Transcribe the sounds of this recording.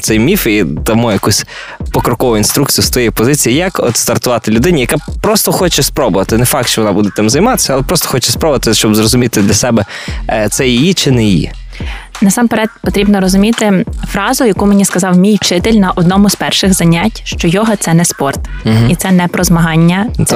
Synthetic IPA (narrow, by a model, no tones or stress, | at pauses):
t̪sɛjmʲifit̪ɐmujɐkusʲ | pɔkɾɔkɔʋʊinst̪ɾuk̚t͡sʲijʊst̪ɔjɛjpɔzɪt͡sʲijijɐkɔ̰t̪st̪ɐrt̪ʊʋɑt̪ɪlʲʊd̪ɪnʲijɐkapɾɔst̪ɔxɔt͡ʃɛspɾɔbʊʋɐt̪ɪnɛfɑkt̪ʃt͡ʃɔʋɔnɑbud̪ɛt̪ɪmzɐjmɑt̪ɪ̥sʲɐɐlˠɛpɾɔst̪ɔ̥xɔt͡ʃɛspɾɔbʊʋɐt̪ɪʃt͡ʃɔbzrɔzʊmʲit̪ɪd̪lʲɐsɛbɛt̪sɛjijit͡ʃɪnɛjijḭ | nɐsɑmpeɾɛt̪̚pɔt̪ɾʲibnɔɾɔzʊmʲit̪ɪfɾɑzʊjɐkumeɪnʲiskɐzɑwmʲijt͡ʃɪt̪ɪlʲnɐʔɔd̪nɔmʊzpɛrʃɪɣzɐnʲatʲʃt͡ʃɔjɔɦɔt̪sɛnɛspɔrt̪it̪sɛnɛpɾɔzmɐɦɑnʲːɐ